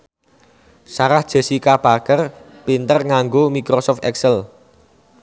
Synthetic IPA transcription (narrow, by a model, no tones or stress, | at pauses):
saɾahd̥ʒ̥ə̤sikab̥akər | pint̪ərŋaŋɡomikɾosɔft̪ɛksəl